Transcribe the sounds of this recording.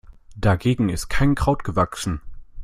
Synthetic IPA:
d̥aɡeːɡŋ̩ɪst̚kʰaɪnkʁ̥aʊtɡ̥əvaksn̩

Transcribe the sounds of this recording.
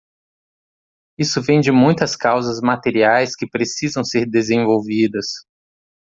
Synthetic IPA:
isʊvẽj̃d͡ʒɪmũj̃t̪ɐskawzɐzmat̪eɾiajskɪpɾesizɐ̃w̃seɾd̪ezẽvowvid̪ɐs

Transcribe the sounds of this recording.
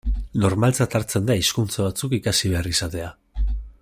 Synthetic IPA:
no̞ɾmalt͡sat̪aɾt͡se̞nd̪aiskunt͡saβat͡sukikasiβ̞e̞arisat̪e̞a

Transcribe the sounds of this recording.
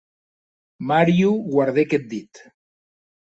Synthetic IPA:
maɾjuɣwaɾð̞eket̪̚d̪it̪

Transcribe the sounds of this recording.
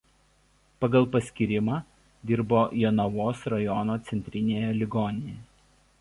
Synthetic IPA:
pɐɡɐlˠpɐsʲkʲiɾʲɪmɑː | d̪ʲɪɾboːjɛnɐʋoːsɾɐjɔnoːt̪sʲɛnʲt̪ʲɾʲɪnʲeːjɛlʲɪɡɔnʲɪjɛɛ

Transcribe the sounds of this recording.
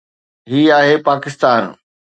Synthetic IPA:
ɦiːaːɦepaːkɪst̪aːn

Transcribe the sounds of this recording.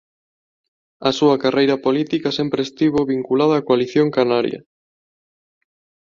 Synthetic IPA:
ɐsuɐkarʔejɾɐpolit̪ikɐsempɾest̪iβoβiŋkulaðɐaːkoaliθjoŋkanaɾj̰ɐ̰

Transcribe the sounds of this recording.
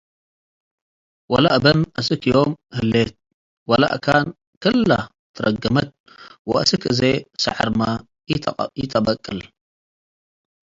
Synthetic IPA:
wɐlaʔbɐnʔɐsɨkʰijomhɨlːet̪̚ | wɐla̰ʔkʰan | kʰɨlːa̰ | t̪ʰːɨɾɐɡːɐmɐt̪̚ | wɐʔsɨkʰɨzesɐ̰ħaɾma | jɪt̪ʰɐbɐkʼːɨl

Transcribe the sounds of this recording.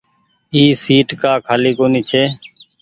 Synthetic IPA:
iːsiːʈkaːkʰaːliːkoːniːt͡ʃʰeː

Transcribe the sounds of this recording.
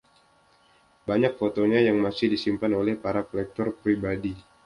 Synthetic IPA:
baɲak̚fot̪oɲajaŋmasɪhdisimpanolɛhpaɾakolɛk̚t̪ɔrpɾibadi

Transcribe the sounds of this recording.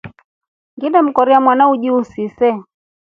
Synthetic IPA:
ŋɡiɗam̩kɔɾiamwanauʄiusisɛ

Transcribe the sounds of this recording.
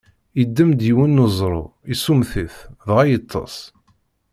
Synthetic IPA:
jəd̪ːəmd̪jiwənːəzˤɾˤo̰isumθiθðʁajət̪ˤʰːɑ̰s

